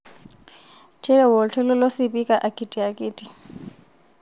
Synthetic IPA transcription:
t͡ʃʰʼɛ˦lɛ˨wɔ˨ltʰɛ˦lɔ˦lo˦sɪbi˦kʼa˨ʔa˨kʼi˨tʼi˨a˨kʼɪːtʼi˨

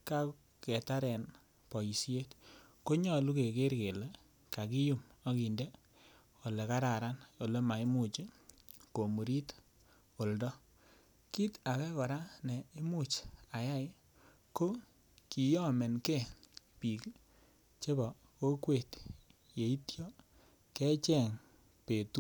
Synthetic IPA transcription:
ka˦ | kɛ˨ta˦ɾɛ˨n | pɔ˨ji˨si˦je˦t | ko˦ɲɔ˦lu˦ke˨ke˦ɾke˨le˦ | ka˨ki˦ju˦m | a˦ki˨nde˦ | o˨le˨ka˦ɾa˨ɾa˦no˨le˦ma˨i˦mu˦t͡ʃi˦ko˨mu˨ɾi˦t | o˨ldɔ˦ | ki˦ta˨kɛ˦kɔ˨ɾa˦ne˨i˦mu˦t͡ʃa˨ja˦jɪ˦ | ko˦ | ki˨jɔ˦me˨nke˦pi˨k | t͡ʃe˦bɔ˨ | ko˦kwe˦˨t | je˨i˦tjɔ˦ | kɛ˦t͡ʃɛ˨ŋ | pe˨tu˦

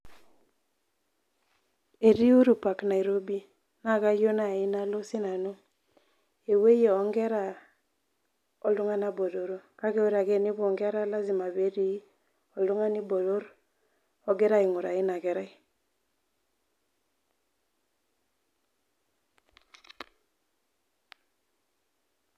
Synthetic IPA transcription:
e˨di˦u˦ɾu˨pa˨kna˨i˨ɾo˦bi˦ | na˦˨ka˦jo˦na˨ɪ˦na˦lo˦si˦na˨no˦ | e˨we˦je˨ɔ˨˦ŋɡɛ˦ɾa˦˨ | ɔ˨lʊ˦ŋa˦na˦bo˨do˨ɾo˦ka˦ke˦o˦ɾa˨ke˦ni˦βɔ˨ŋɡɛ˦a˦ɾa˦la˦zi˨ma˨βe˦di˦ | ɔ˨lu˦ŋa˦ni˦bo˨do˦ɾ | ɔ˦ɡɛ˦ɾa˦ɪ˨ŋu˨ɾa˨ɪ˦na˨kɛ˨ɾa˦i˦

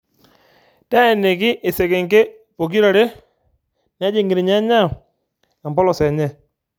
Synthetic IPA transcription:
ta˦ɛ˨ne˨kɪ˦ʔɪ˨sɛ˨kɛ˨ŋɡe˦ | po˨ki˦ɾa˨ɾe˦ | na˦d͡ʒe˨ŋɡe˨ɾe˨ɲa˦ɲa˦˨ | a˨mbɔ˦lɔ˨sɛ˨ɲɛ˦˨

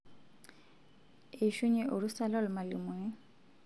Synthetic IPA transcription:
e˨ʃu˦ɲe˦ʔo˨ɾu˦sa˦la˦lʊ˨ma˨li˨m˨ɛ˦

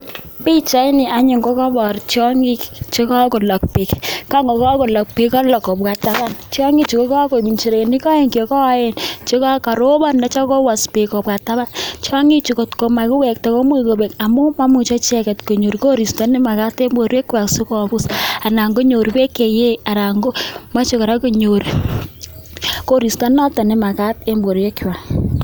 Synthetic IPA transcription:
pi˦t͡ʃa˦i˦ni˨a˨ɲi˨ŋko˦kɔ˦bɔ˨ɾt͡ʃɔ˦ŋi˦kt͡ʃe˦kɔ˦ko˨lɔ˨k̚pi˨kka˦ŋɡo˨kɔ˦ko˨lɔ˨k̚pi˨kɔ˦lɔ˨kɔ˨bka˨ta˦ba˦nt͡ʃjɔ˦ŋɡi˦t͡ʃi˨ko˦kɔ˦ko˨mi˨nt͡ʃi˨ɾe˨ni˦kɔ˦e˨ŋki˨o˨kɔ˦je˦˨nt͡ʃe˦kɔ˦ka˨ɾo˦bɔ˦nda˨˦t͡ʃɔ˦kɔ˦wa˨spe˨kɔ˨pka˨ta˦ba˦nt͡ʃi˦a˦ŋi˦t͡ʃu˨ko˨tko˨ma˨kʊ˦wɛ˨k̚tɛ˨ko˦mwe˦˨ko˨be˨ka˨mu˦ma˦mu˨t͡ʃɔ˦t͡ʃɛ˦kɛ˨tko˨ɲo˨ɾiko˦ɾi˨sta˦nɪ˦ma˨ka˦te˦mbo˨ɾje˦kwa˨kso˦kɔ˨bu˦sa˨na˨ŋɡo˦ɲo˨ɾi˨pe˦ke˨je˦a˨ɾa˨ŋɡo˦ma˦t͡ʃo˦ka˨ɾa˦ko˦˨ɲo˨ɾi˨ | ko˦ɾi˨sta˦nɔ˦tɔ˨nɪ˦ma˨ka˦te˦mbo˨ɾe˦kːi˦wa˨

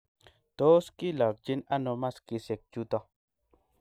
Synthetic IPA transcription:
to˦ski˦lɔ˨k̚d͡ʒi˦na˦no˧ma˦ski˧se˨k̚t͡ʃu˦t̪ɔ˧

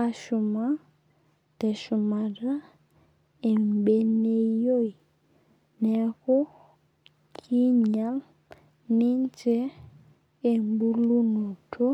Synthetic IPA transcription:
a˨ʃu˨ma˦ | d̥ɛ˨ʃu˨ma˨ɾa˦ | e˨m˨be˦ne˦jo˦˨i˨ | nɛ˨ɣo˦ | kʰi˦ɲa˨˦l | ni˦ɲ˦t͡ʃɛ˦ | e˨mbu˦lu˦nu˨tʰo˦

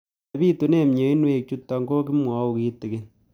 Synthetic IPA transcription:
bi˦tu˨ne˦mɲe˨i˦nwe˦k̚t͡ʃu˦tːɔ˨ŋɡo˦ki˦mwɔ˨˦u˨ki˦tːɪ˨ke˦l

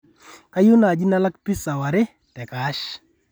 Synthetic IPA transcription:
ka˦jʊ˦na˨d͡ʒi˦na˦la˦kpi˦sa˨wa˨ɾɪ˦ | tɛ˨ka˦ʃ

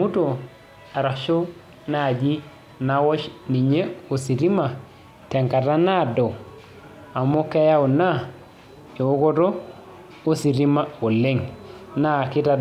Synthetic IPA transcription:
mu˦to˨ | a˨ɾa˨ʃo˦ | na˨d͡ʒi˦ | na˨wɔ˦ʃni˨ɲe˦o˨si˨ɾi˦ma˨ | tɛ˨ŋka˨ta˦na˦˨do˨ | a˨mo˦ke˦ja˦wu˨na˦ | e˨wo˦kɔ˦to˦ | o˦si˨ɾi˦ma˦wo˨le˦ŋna˦˨kɪ˦ta˨

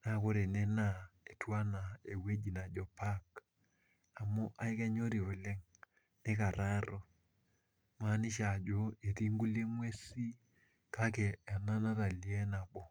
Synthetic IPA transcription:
na˦ko˦ɾe˨nɛ˦na˦˨e˨twa˦na˨e˨we˦d͡ʒi˨na˨d͡ʒɔ˨pa˦k | a˨mo˦ʔa˦i˦kɛ˦ɲo˦ɾi˨o˨le˦ŋ | ne˦ka˨ɾa˦ɾo˨ | ma˦ni˦ʃa˨d͡ʒo˦e˨ti˦ŋɡu˦le˦mwe˦si˦ | ka˦kɛ˨a˨na˦na˦ta˨li˨˦ɛ˦na˨ɓɔ˨

